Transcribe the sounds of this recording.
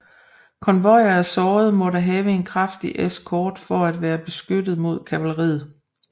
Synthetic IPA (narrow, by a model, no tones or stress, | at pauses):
kʰɒ̽nʋɒɪ̰ɐæsɒːð̞̩ˠmɒ̽ɾæɦɛːʊəe̝nkʰʁɑfd̥iʔeskʰɒːd̥fɒ̽æd̥ʋæːɐb̥e̝sɡ̥ød̥ð̩ˠmo̝ð̞̰ˠkʰæʋæləʁḭːð̩ˠ